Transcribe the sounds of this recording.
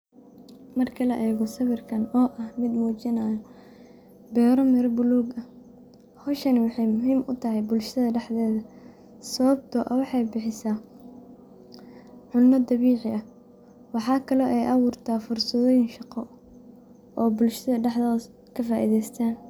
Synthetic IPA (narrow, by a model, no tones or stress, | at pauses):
mɐrkʰɐlɐʔɛːɣɔsɐβɪrkʰɐnɔːʔɐhmɪd̪muːt͡ʃɪnaːjɔ | bɛːɾɔmɪɾɔbʊluːɡɐ | hɔʃɐnɪwɑħɑjmʊɦiːmʔʊ̰t̪ʰɐɦɛjbʊlʃɐðɐɖɛħðɛːðɐ | sɐβɐb̚t̪ʰɔʔɐ̰wɑħɑjbɪħɪsaː | ʕʊnːɐd̪ɑβiːʕɪʔɐ | wɑħɑːkʰɐlɔːʔɛjʔɑwʊrt̪ʰaːfʊrsɐðɔːjɪŋʃɑqɔ | ʔɔːbʊlʃɐðɐɖɛħðɔːð | kʰɐfaːʔḭːðɛjst̪ʰaːn